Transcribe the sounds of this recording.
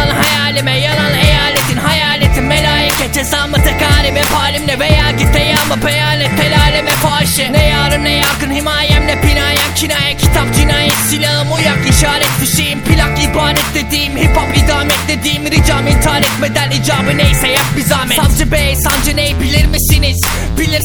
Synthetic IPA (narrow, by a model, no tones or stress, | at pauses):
anɦajaːlʲimɛjananejaːlʲet̪ʰinhajaːlʲet̪ʰinmelʲaːjicɛt͡ʃʰɛsaːmɯt̪ʰakaːɾimɛpʰaːlʲimlɛvejaːɡit̪ɛjaːmɯpejaːlʲɛt̪felʲaːlʲemɛpʰaːʃɯnɛjaːɾɯmnɛjakɯnhimaːjɛmnɛpinaːjacʰinaːjacʰit̪ʰap̚d͡ʒinaːjɛt̪silʲaɦɯmujakiʃaːɾɛt̪d̪iʃijimpʰilʲakibaːɾɛt̪̚d̪ed̪iːmhipapid̪aːmɛt̪d̪ed̪iːmɾid͡ʒaːmint̪ʰaːɾɛt̪med̪ænid͡ʒaːbɯnejsɛjap̚bizaːmɛsand͡ʒɯbesand͡ʒɛnejibilʲiɾmisiniz̥ | bilʲiɾ